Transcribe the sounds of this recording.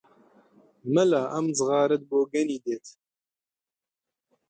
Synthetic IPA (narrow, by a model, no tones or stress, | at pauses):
mɨlaːʔɐmzɨɣɑːɾɨt̪̚boːɡɛniːd̪eːt̪